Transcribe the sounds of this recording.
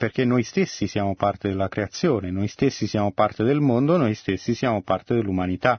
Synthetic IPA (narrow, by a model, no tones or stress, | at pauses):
perk̟enːojst̪esːisjaːmopart̪ed̪elːakɾeat̪sːjoːnenojst̪esːisjaːmopart̪ed̪elmond̪onojst̪esːisjaːmopart̪ed̪elːumanit̪a